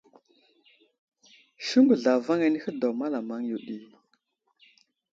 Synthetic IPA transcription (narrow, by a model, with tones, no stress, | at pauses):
ʃu˦ŋɡu˨ɮa˨va˦ŋa˦ni˦xə˦do˨ma˦la˨ma˦ŋju˨ɗi˦